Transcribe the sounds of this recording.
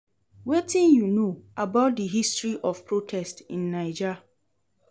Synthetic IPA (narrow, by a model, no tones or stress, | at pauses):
wetʰĩnjunoabaʊt̚dəɦistɹiʔɔfpʰɹotʰɛstĩnːãɪd͡ʒa